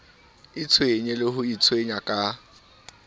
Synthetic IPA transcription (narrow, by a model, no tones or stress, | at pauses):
it͡sʰweɲelɪɦʊit͡sʰweɲakʼa